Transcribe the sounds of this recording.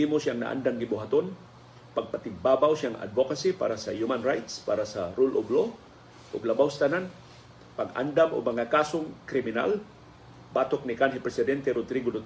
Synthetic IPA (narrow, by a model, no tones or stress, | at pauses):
imosjaŋna̰ʔa̰nd̪aŋɡɪbʊɦat̪on | pɐɡ̚pat̪ɪmbaːbawsjaŋa̰d̪vokasipa̰ːɾasɐjumanɾajt̪spa̰ːɾasɐɾulʔoblo | ʔʊɡlɐbawsat̪ɐnan | paɡʔa̰nd̪amʔo̰mɐŋakaːsoŋkɾɪmɪna̰l | bat̪ok̚nɪkanɦɪpɾɛsɪd̪ɛnt̪ɛɾod̪ɾiɡod̪o